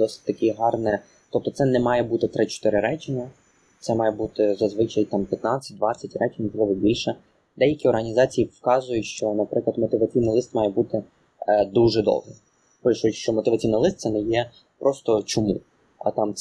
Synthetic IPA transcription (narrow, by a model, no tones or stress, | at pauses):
d̪ɔsɪ̥t̚ʲt̪ɐkʲɪɦɑrnɛ | t̪ɔp̚t̪ɔt̪sɛnɛmɑjɛbut̪ɪt̪ɾɪt͡ʃɔ̥t̪ɪɾɪɾɛt͡ʃʲɪnʲɐ | t̪sɛmɑjɛbut̪ɪzɐzʋɪt͡ʃɐjt̪ɑmpʲjɐt̪nɑt͡sʲːɐ̥t̚ʲd̪ʋɑt͡sʲːɐtʲrɛt͡ʃɪnʲɔʒlˠɪʋɔbʲilʲʃɛ | d̪ɛjɐkʲiɔrɦɐnʲizɑt͡sʲijiwkɑzʊjʊʃt͡ʃɔnɐpɾɪklˠɐd̪mɔt̪ɪʋɐt͡sʲijnilˠɪst̪mɑjɛbut̪ɪ | d̪uʒɛd̪ɔ̰wɦɪ | pɪʃʊʃt͡ʃɔmɔt̪ɪʋɐt͡sʲijnɐlˠɪst̪sɛnɛjɛ | pɾɔst̪ɔt͡ʃʊmṵ | ɐ̰t̪ɑm